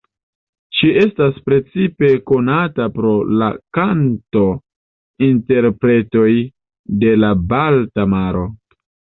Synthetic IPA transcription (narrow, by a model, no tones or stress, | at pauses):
ʃiʔe̞staspɾe̞t͡sipe̞ko̞natapɾo̞la̰kanto̞ | inte̞ɾpɾe̞to̞j | de̞labaltamaɾo̞